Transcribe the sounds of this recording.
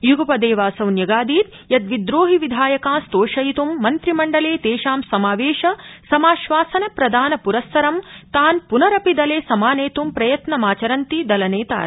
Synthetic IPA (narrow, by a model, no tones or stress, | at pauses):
juɡɐpɐd̪eːʋaːsɐwnjɐɡaːd̪iːt̪ | jɐt̪ʋid̪ɾoːɦiʋid̪ʱaːjɐkaːst̪oːʃɐjit̪umːɐnt̪ɾimɐɳɖɐleːt̪eːʃaːmsɐmaːʋeːʃɐsɐmaːʃʋaːsɐnɐpɾɐd̪ʱaːnɐpuɾɐsːɐɾɐmt̪aːnpunɐɾɐpid̪ɐleːsɐmaːneːt̪umpɾɐjɐt̪nɐmaːt͡ʃɐɾɐnt̪id̪ɐlɐneːt̪a̰ː